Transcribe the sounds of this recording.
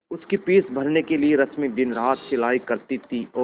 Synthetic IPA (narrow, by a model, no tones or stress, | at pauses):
ʊskipiːsbʱɐɾnekelieɾɐt͡ʃmikd̪ɪnɾaːt̪t͡ʃɪlaːikɐɾt̪it̪ʰiɔː